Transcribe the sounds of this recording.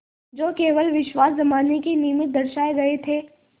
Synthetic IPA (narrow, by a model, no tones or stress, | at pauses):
d͡ʒoːkeːʋəlʋɪʃwaːszɐmaːnekiniːmɪt̪̚d̪ɐɾʃaːeɡɐet̪ʰeː